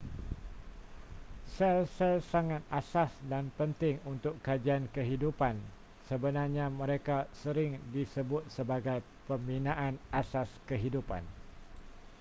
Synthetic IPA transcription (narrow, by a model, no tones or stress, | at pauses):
sɛlsɛlsaŋat̪̚asasdanpənt̪ɪŋunt̪ʊkːad͡ʒiankəɦidupan | səbənarɲãmə̃ɾekasəɾɪŋdisəbʊt̪̚səbaɡaj | pəmbinãʔanasaskəɦidupa̰n